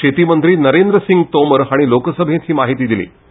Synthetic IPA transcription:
et̪iːmənt̪ɾiːnəɾend̪ɾəsiŋɡt̪oməɾɦaɽ̃ilokəsəbʱẽt̪hɦiːmaɦit̪iːd̪ilḭː

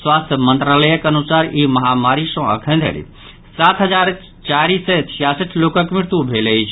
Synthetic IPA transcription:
swast̪ʰjəmənt̪ɾaləjəkənusaɾiməɦamaɾisə̃ə̰kʰə̃nd̪ʱə̰ɾḭ | sat̪ɦəd͡ʒaɾ | t͡ʃaɾisːet͡ʃʰijasəʈʰlokəkmiɾt̪ubʱeləjt͡ʃʰ

